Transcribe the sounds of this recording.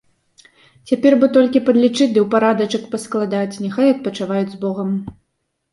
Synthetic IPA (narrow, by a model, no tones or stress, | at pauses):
t͡sʲapʲɛrbɨt̪ɔlʲkʲipɐd̪lʲit͡ʂɨd̪ɨwpaɾad̪ɐt͡ʂɐkpɐsklˠad̪at͡sʲnʲɛxajɐt̪̚pɐt͡ʂavajud͡zʲzbɔɣɐm